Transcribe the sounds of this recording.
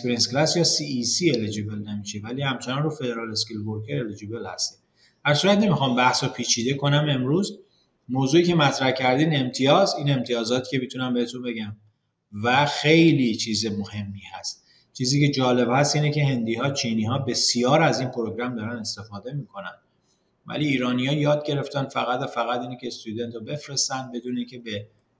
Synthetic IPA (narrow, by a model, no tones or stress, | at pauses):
speɾinsklæsjɒːsiːisiːeled͡ʒibe̞lnemiːʃevæliːhæmt͡ʃʰenɒnruːfe̞d̪eɾɒːleskilboɾkʰeɾeled͡ʒibe̞lhæ̰st̪iː | hæɾsuːɾæt̪nemixɒːmbæhsɔpʰiːt͡ʃʰiːd̪e̞kʰo̞næme̞mɾuːz | moːzuːiːce̞mæt̪ʰɾæhcʰæɾd̪iːd̪e̞mt̪ʰijɒːziːne̞mt̪ʰijɒːzɒːt̪ʰi̥ːcʰe̞mit̪ʰunæmbe̞het̪ʰumbe̞ɟæm | væxe̞jliːt͡ʃʰiːzemo̞he̞mːiːhæst̪̚ | t͡ʃʰiːziːce̞d͡ʒɒːle̞bhæst̪iːnecʰe̞ɦe̞nd̪iːɦɒːt͡ʃʰiːniːɦɒːbe̞sijɒːɾæziːnpʰoɾo̞ɡɾæmd̪ɒːɾæne̞st̪e̞fɒːd̪e̞miːkʰo̞nænd̪ | væ̰liːɾɒːnijɒːjɒːd̪̚ɟe̞ɾe̞ft̪ænfæɣæd̪æfæɣæt̪iːnecʲʰest̪ud̪e̞nt̪ʰobe̞fɾe̞st̪ænd̪̚be̞d̪uːne̞iːncʰe̞be